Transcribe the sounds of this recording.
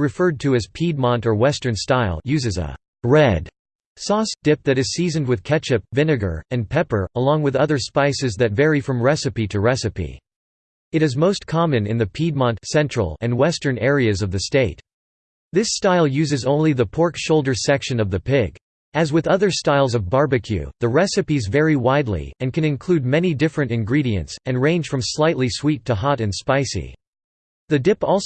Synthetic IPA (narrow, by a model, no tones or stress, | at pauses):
ɹɨfɜ˞d̚tʰɨɨz̥pʰid̚mɑ̃ntə˞wɛstə̃˞nstaɪlˠjʉzɨzə̰ | ɹɛd̥ | sɔsd̥ɪp̚ðɨɾɨz̥sizɨ̃n̩d̚wɨð̥kʰɛt͡ʃɨp̚vɪ̃nɨɡə̰˞ɨ̃npʰɛpə˞əlɔ̃ŋwɨðʌðə˞spaɪsɨzðɨt̚vɛɹifɹʌ̃mɹɛsɨpiɾɨɹɛsɨpḭ | ɨɾɨzmoʊskʰɑmɨ̃nɨ̃nðɨpʰid̚mɑ̃ntsɛ̃nt͡ʃɹ̥ə̰l̩ˠɨ̃nwɛstə̃˞nɛɹiɨzʌvðɨsteɪt | ðɪstaɪlˠjʉzɨzõʊ̃nliðəpʰɔɹkʃoʊlˠdə˞sɛkʃɨ̃nʌvðɨpʰɪɡ | ɨzwɨðʌðə˞staɪlˠzʌvbɑɹbɨkʰjʉ̰ðɨɹɛsɨpizvɛɹiwaɪdˡlḭɨ̃nkɨ̃ñɨ̃nkʰl̥ʉd̚mɛnidɪfɹɨ̃ntɨ̃nɡɹiɾiɨ̰̃ntsɨ̃nɹẽɪ̃nʒ̥fɹʌ̃mslaɪtˡliswitʰəɦɑɾɨ̃nspaɪsḭ | ðɨdɪpɔlˠ